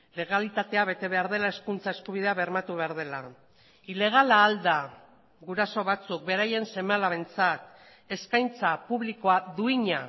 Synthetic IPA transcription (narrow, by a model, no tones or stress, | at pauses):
le̞ɣalit̪at̪e̞aβe̞t̪e̞βe̞aɾð̞e̞lae̞skunt͡sae̞skuβ̞iðe̞aβe̞ɾmat̪uβe̞aɾð̞e̞la | ile̞ɣ̞alaːld̪a | ɣuɾaso̞βat͡suk̚be̞ɾaje̞nse̞malaβe̞nt͡sat̪ | e̞skajnt͡sapuβliko̞aðuiɲa